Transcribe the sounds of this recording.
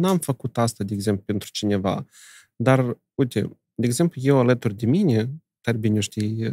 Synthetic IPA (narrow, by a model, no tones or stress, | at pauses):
namfəkut̪ast̪ad̪ʲeeɡzemplupent̪ɾu̥t͡ʃinʲe̞va̰ | d̪ar | ujt̪ʲḛ | d̪ʲeeɡze̞mplujewalət̪urʲd̪eminʲe | t̪arʲbinʲoʃt̪ij